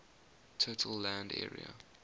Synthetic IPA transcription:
tʰotʰəlːæ̃ndɛ̰ːɹḭə̰

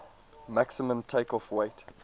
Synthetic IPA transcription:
maksəmə̃mtʰeɪkɔfweɪt

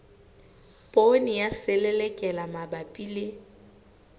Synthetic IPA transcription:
pʼonɪjaselɛlɛkʼɛlamabapʼilɪ

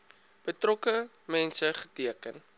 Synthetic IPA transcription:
b̥ətrɔkə | mɛnsəχə̥tiəkən

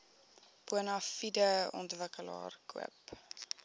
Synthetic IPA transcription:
puənɐfidəɔ̰ntvəkəlɑ̰ːrkʰuə̰p

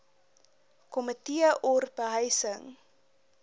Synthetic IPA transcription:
kɔmətiəʔɔrbəɦəjsəŋ

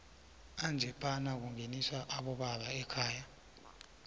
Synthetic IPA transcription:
and͡ʒʱɛpʼanak̬uŋenisaʔaɓɔɓaɓaɛkʰaːja

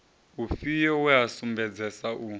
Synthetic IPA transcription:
ufijɔwuasumbɛd͡zɛsaʔu

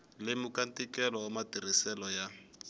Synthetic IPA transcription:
lɪmukantʼikɛlɔːmatirisɛlɔja

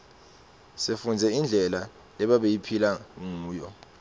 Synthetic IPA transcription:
sefund͡zʱɛind͡ɮʱɛla | lɛɓaɓejipʰilauŋuːjɔ

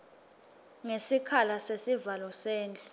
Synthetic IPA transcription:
ŋesikʰalasesivalɔseːnt͡ɬʼu̥

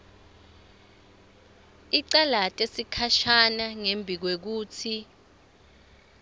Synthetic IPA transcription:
iǀalatʼesikʰaʃanaŋembʱik̬wek̬uːtʰi

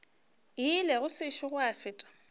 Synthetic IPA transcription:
ilɛɣʊsɪʃʊɣʊafɪːtʼḁ

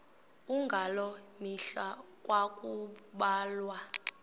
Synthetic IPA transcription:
uŋɡʱalɔmiɬakʼwakʼuɓaːlwa

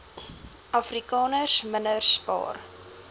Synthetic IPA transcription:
ʔɐfrikɑːnərsmənərspɑ̰ːr

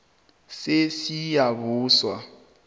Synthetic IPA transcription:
sesijaβuːswa

